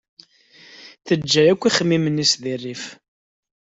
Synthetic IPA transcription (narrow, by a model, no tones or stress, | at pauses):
θəd͡ʒːæjækʷːiχəmːimənisðirːif